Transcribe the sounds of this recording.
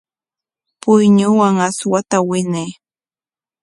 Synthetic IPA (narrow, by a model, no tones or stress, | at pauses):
pʊjɲʊwaŋaswat̪awɪne